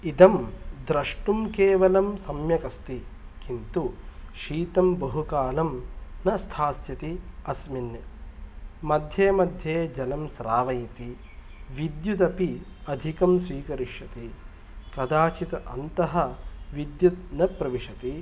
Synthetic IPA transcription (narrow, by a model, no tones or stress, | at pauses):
id̪ɐmd̪ɾɐʂʈumkeːʋɐlɐmsɐmjɐkɐst̪i | kint̪uʃiːt̪ɐmbɐɦukaːlɐmnɐst̪ʰaːsjɐt̪iɐsminːɐ | mɐd̪ʱjeːmɐd̪ʱjeːd͡ʒɐnɐmsɾaːʋɐjit̪i | ʋid̪jud̪ɐpi | ɐd̪ʱikɐmsʋiːkɐɾiʃjɐt̪i | kɐd̪aːt͡ʃit̪ɐʔɐ̰nt̪ɐɦɐ̆ʋid̪jut̪nɐpɾɐʋiʂɐt̪i